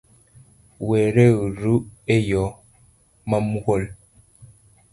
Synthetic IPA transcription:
wɛɾɛɣɾuejɔ | mamuɣol

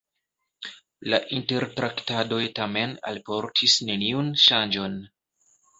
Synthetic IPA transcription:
laʔinte̞ɾtɾaktado̞jtame̞na̰lpo̞ɾtʰisne̞niunʃand͡ʒo̞n

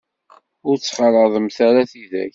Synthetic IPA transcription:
ʊɾt͡sːχəlˤəðˤəmθæɾaθiðæ̰ç

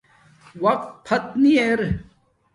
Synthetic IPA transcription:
wɐq̚t̪̚pʰɐt̪nieɾ

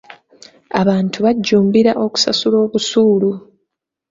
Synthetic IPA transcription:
aβaːntʰuβaɟːuːmbiɾaʔo̞ku̥sa̰sulo̞ːβusuːlu

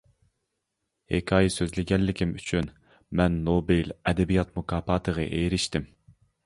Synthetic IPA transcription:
hekʲʰɑːjɛsøzlɪɡʲɛnlɪkʲimyt͡ʃʰyn | mɛnːobelɛd̪ɛbijɑt̪̚mukʰɑːpɑːt̪ʰəʁə̰ʔejɾɪʃt̪ɪm

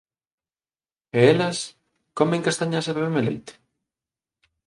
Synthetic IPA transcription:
eelɐs | komẽŋkast̪aɲaseβeβemelḛjt̪e̥

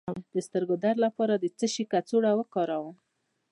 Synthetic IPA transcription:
d̪̥əst̪əɾɡod̪aɾlapɑɾad̪ət͡səʃikat͡soɽawəkɑɾawəm

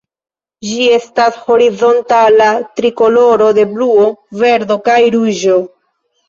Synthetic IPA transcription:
d͡ʒie̞stasho̞ɾizo̞ntalatɾiko̞lo̞ɾo̞de̞bluo̞ve̞ɾdo̞kajɾuʒo̞

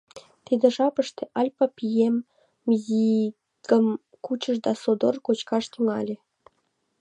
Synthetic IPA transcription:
t̪id̪ĕʒɑpəʃt̪eʔɑlʲpɑpijem | ji | kəm | kut͡ɕəʃd̪ɑsod̪orkot͡ɕkɑʃt̪yŋɑlʲĕ

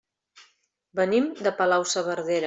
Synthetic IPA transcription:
bənimd̪əpəlawsəβəɾðeɾ

